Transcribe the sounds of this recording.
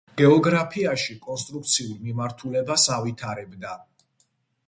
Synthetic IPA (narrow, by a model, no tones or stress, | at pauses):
ɡ̥ɛɔɡɾapʰiaʃikʼɔnst̪ʼɾuk̚t̪sʰiuɾmimaɾt̪ʰulɛbasavit̪ʰaɾɛbd̪a